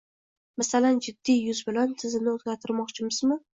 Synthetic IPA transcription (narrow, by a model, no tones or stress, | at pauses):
masaland͡ʒɪd̪ːijʊzbɪlant̪ʰɪzɪnɪozɡʲaɾt̪ʰɪɾmɒqt͡ʃʰɪmɪzmɪ